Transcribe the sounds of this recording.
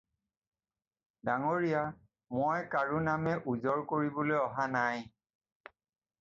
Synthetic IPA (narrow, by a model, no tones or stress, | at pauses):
daŋoɹija | mojkaɹunamɛʔuzɔɹkoɹibolojɔɦanaj